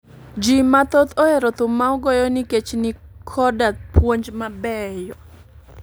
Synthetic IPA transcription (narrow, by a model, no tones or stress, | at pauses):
d͡ʒimat̪ot̪oeɾɔt̪ʊmːaɔɡɔjɔnɪket͡ʃnɪkʰɔdapwoɲd͡ʒmabɛjɔ